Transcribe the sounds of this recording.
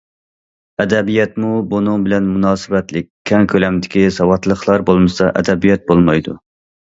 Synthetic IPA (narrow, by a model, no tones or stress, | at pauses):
ɛd̪ɛbijɛt̪mubonɨŋbɪlɛnmunɑːsɨbɛt̪lɪkʲkʲʰːɛŋkʰʲølɛmd̪ɪkʲisɑwɑt̪lˠəχlˠɑɾbolˠmɨsɑʔɛ̰d̪ɛbijɛt̪̚bolˠmɑjd̪ṵ